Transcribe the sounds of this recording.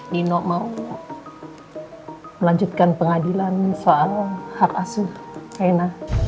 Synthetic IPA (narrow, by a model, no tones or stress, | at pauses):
dinɔʔmau | məlaɲd͡ʒut̪̚kanpəŋadilansoalhakasuajna